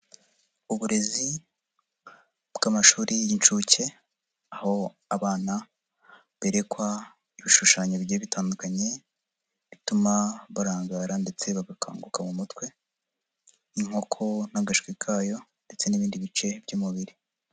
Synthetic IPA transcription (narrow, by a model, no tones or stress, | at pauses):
uβuɾe̞zi | bɡamaʃuːɾijint͡ʃuce̞ | aho̞ | aβaːna | βeɾekwa | iβiʃuʃaːɲobjeβitaːndukaɲe̞ | βitumaβaɾaːŋɡaːɾande̞t͡se̞βaɡakʰa̰ːŋɡukamumutkwe̞ | iŋ̥o̞kʰo̞n̥aɡaʃkwikʰaːjo̞nde̞t͡se̞niβiːndiβit͡ʃe̞bjuːmuβiɾi